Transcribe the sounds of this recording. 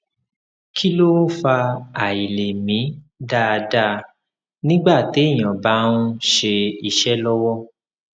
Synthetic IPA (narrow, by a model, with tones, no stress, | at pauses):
kʰi˦lo˦fa˧a˨i˨le˨mĩ˨˦ | da˦˨˧da˦ | nĩ˦ɡ͡ba˦˨te˨˦˨j̃ã˨ba˨˦nũ˦ʃe˧i˦˨ʃɛ˦lɔ˦wɔ˦